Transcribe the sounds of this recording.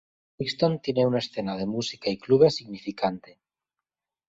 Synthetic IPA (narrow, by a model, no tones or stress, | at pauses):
ikst̪ont̪je̞neunaesθenað̞e̞musi̥kaikluβesiɣnifikant̪e